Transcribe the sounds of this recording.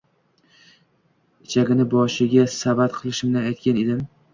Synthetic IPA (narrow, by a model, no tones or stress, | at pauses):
ɪt͡ʃʰaɡʲɪnɪbɒʃɪɡʲasabat̪qʰɨlˠɪʃɪmnanajt̪̚kʲaned̪ɪm